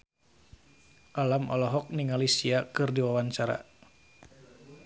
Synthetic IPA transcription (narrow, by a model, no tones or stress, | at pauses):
ʔalamɔlɔɦɔk̚niŋalisiakɨrdiwawant͡ʃaɾa̰